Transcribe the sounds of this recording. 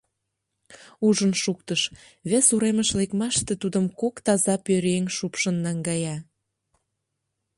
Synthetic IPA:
uʒənʃuk̚t̪əʃ | βesuɾeməʃlekmɑʃt̪et̪ud̪əmkokt̪ɑzɑpøɾeŋʃupʃənːɑŋɡɑjɑ

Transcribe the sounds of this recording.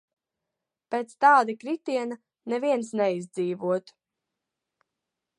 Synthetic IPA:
peːt̪st̪ɑːd̪ikɾit̪iɛna | nɛviɛnsnɛizd̪ziːvuɔt̪

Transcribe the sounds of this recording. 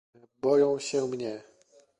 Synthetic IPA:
bɔjɔ̃w̃ɕɛmɲɛ

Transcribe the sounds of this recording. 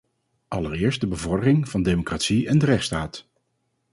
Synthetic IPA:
ʔɑləɾɪːɹst̚dəbəvɔɹdərɪŋvɑndemokratsiɛndərɛχtstaːt

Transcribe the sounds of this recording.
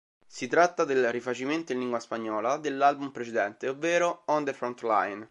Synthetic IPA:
sit̪ɾat̪ːad̪elrifat͡ʃiment̪oĩlːiŋɡwaspaɲːɔːlad̪elːalbumpɾet͡ʃed̪ɛnt̪eovːeːɾoɔnd̪efɾɔnt̪lajn

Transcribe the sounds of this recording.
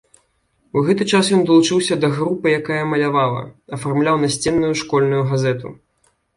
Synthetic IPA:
wɣɛt̪ɨt͡ʂasjɔnd̪ɐlˠut͡ʂɨwsʲɐd̪ɐɣɾupɨjakajɐmɐlʲavalˠɐ̰ɐfarmlʲawnasʲt͡sʲɛnːujuʂkɔlʲnujuɣazɛt̪ṵ

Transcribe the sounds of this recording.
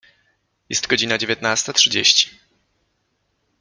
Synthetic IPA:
jɛ̰st̪ɡɔd͡ʑinad͡ʑevʲjɛt̪nast̪atʂɘd͡ʑḛɕt͡ɕi̥

